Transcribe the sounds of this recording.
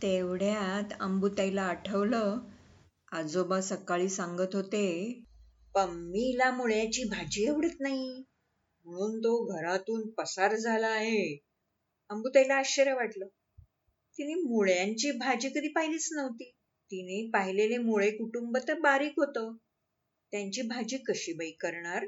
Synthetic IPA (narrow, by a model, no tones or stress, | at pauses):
t̪eʋɽjat̪ə̰mbut̪ajlaːʈʰəʋlə | ad͡zobasəkaɭiːsãŋɡət̪ɦot̪e | pəɳmːilamuɭjat͡ɕiːbʱad͡ʑiːeʋɽət̪naɦi | m̤əɽ̃uːnt̪oɡʱəɾat̪uːnpəsaɾd͡zʱaləaɦe | amɡut̪ajlaːɕəɾjaʋaʈləː | t̪inimuɭjaɲt͡ɕiːbʱad͡ʑiːkəd̪ʱiːpaɦilet͡snəʋt̪iː | t̪inepaɦilelemoɭekuʈumbət̪əbaɾiːkɦot̪əː | t̪jaɲt͡ɕiːbʱad͡ʑiːkəɕibəikəɾɳaɾ